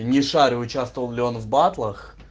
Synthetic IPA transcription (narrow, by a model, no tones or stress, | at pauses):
nʲɪʂaɾʲɪʊt͡ɕast̪əvəlˠlʲɪo̞nvbat̪lˠəx